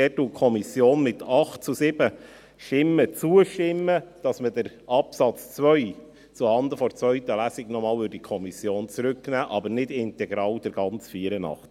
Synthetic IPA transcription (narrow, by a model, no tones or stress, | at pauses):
ɛtːukʰɔmisjoːnmɪtʰɑχt̚t͡susɪb̥ə | ʃtɪmːət͡suəʃtɪmːəd̥ɑsmədəɾ | ɑpsɑt͡st͡svœɥ | t͡suhɑnd̪əfɔɾt͡svœʏt̪əlæsiɡnɔmɑːlybədikʰɔmisjoːnt͡sɾʉknæːʔɑbəɾnɪdɪntɛɡɾɑːwd̥ɛɾɡ̥ɑnt͡sfiːəɾənɑ̰χt